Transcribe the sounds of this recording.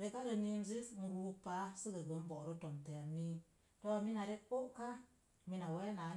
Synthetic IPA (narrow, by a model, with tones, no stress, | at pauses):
ɾe˧˦ka˦ɾə˧ni˧n˦zi˦fm̩˧ɾu˧pa˨˦sɨ˦ɡə˨ɡə˨˦m˦bɔ˨ɾə˦to˨mte˨a˨mi˦ | to˦a˨mi˦na˨ɾe˦k͡po˦ʔka˦ | mi˧na˨we˦na˨˦